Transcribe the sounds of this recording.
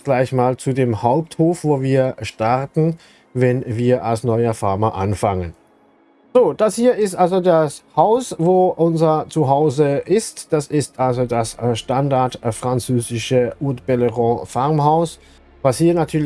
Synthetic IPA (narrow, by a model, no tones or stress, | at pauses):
ɡ̥laɪçmaːlt͡sudeːmhaʊp̚thoːfv̥oːviːɐʃtaʁtn̩ | vɛnviːɐʔalsnɔʏɐfaɐmɐʔa̰nfaŋən | z̥oːd̥ashiːɐʔɪstʔalzodashaʊsvoːʔʊnzɐt͡suɦaʊzəʔɪstd̥asɪstʔalzodasʃtandaɐtfʁ̥ant͡søːzɪʃəʔʊɐtb̥ɛləʁɔ̃faʁmɦaʊs | vashiːɐnatʰyːɐ